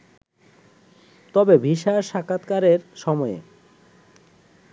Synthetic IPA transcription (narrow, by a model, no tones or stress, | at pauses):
t̪ɔbebʱiʃaɾʃakʰat̪kaɾeɾʃɔmɔḛ